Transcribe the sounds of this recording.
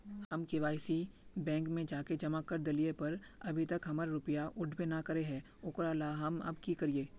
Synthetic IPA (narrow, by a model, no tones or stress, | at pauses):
hɐmkɪʋaːɪsibɛ̃ːŋkmẽd͡ʒaːked͡ʒɐmakɐɾd̪ɐlijepɐɾ | ɐbʱit̪ɐkɦɐmaɾɾʊpijaʔʊɖʱbenakɐɾeɦɛː | ʊkɾalaɦɐmɐ̰bkikɐɾieː